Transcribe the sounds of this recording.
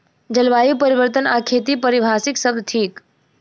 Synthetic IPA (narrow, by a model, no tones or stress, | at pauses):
d͡ʒəlʋaːjupəɾiʋəɾt̪ənakʰet̪ipəɾibʱaːsɪksəb̚d̪t̪ʰiːk